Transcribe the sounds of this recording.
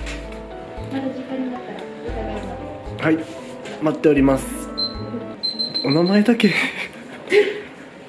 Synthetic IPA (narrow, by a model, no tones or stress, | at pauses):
makaɲinaaɾ | hai | mat̪ːeoɾʲimasɨ̥ | onamaed̪ake